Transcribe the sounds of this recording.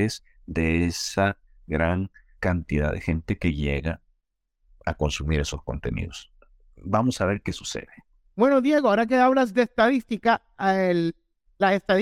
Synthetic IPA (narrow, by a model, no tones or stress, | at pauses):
es | d̪e̞esa | ɡɾaŋkant̪iða̰ðe̞̰xe̞nt̪e̞ke̞ʝe̞ɣa | ako̞nsumiɾeso̞sko̞̰nt̪e̞nḭðo̞s | bamo̞saβe̞ɾke̞su̥se̞̰ðe | bwe̞no̞ðje̞ɣoaoɾak̬eaβlazðe̞ːst̪aðist̪ika | e | laest̪að